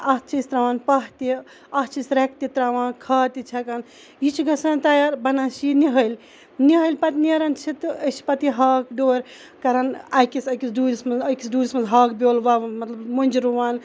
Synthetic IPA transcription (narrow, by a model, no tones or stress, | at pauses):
ɐst͡ʃʰisʲt̪ɾaʋaːnpɐɦt̪i | ɐt͡ʃʰisɾek̚t̪it̪ɾaʋãːnkʰat̪it͡ʃʰɐkan | jit͡ʃʰɡɐsant̪ajaɾbɐnasiniɦəjlʲ | niɦəlpɐt̪neɾɐnt͡ʃʰit̪ət͡ʃpɐt̪iɦakɖoːɾ | kɐɾɐnajkisɐjkisɖulʲsmɐzɐjkisɖulʲsmɐnzɦɐkboːlʋaʋmɐt̪lɐbmunʲd͡ʒiɾuʋaːn